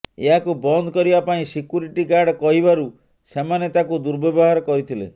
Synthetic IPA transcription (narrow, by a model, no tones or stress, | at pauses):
eɦakubɔnd̪ʱɔkɔɾibapaĩsikjuɾiʈiɡaɾɖkɔɦibaɾu | semanet̪akud̪uɾbɔbɔɦaɾɔkɔɾit̪ʰilḛ